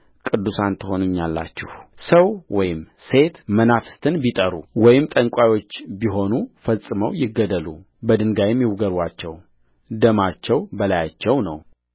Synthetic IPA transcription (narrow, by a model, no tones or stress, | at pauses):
kʼɨd̪ːusant̪ʰɨho̞nuɲːalːa̰t͡ʃːɪhsəwwɔjɪmse̞t̪mənafɨ̥st̪ʰɨnbit̪ʼəɾuwɔjɪmt̪ʼəŋkʷʼajwo̞t͡ʃːbiɦo̞nufəsʼɨməwjɪɡːəd̪əlṵ | bəd̪ɨŋɡajɛmjɪwɡəɾwat͡ʃːɛw | d̪əmat͡ʃːɛwbəlajat͡ʃːɛwnəw